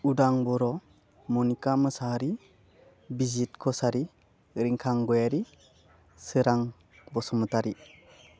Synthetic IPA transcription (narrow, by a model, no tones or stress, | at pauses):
udaŋbɔɾɔ | mɔnikamɯsaɾi | bizit̚kʰɔsaɾi | ɾiŋkʰaŋɡɔjaɾi | sɯɾaŋ | bɔsɔmɯtaɾi